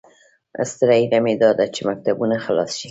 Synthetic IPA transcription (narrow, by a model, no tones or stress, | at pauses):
a̰st̪ɪɾaiɾamed̪ɑd̪at͡ʃemak̚t̪abunaxalɑ̰sʃi̥